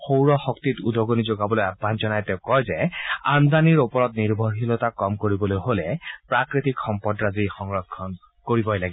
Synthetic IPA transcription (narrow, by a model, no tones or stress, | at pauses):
xowɹɔxɔktitudɔɡonizoɡabɔlojabʱːanzɔnajtɛʊ̃kɔjzɛandaniɹupɔɹɔtniɹbʱɔɹɦilɔtakɔmkoɹibɔlojɦolɛpɹakɹitikxɔmpɔdɹazixɔŋɹɔkʰːɔn | koɹibɔjlaɡi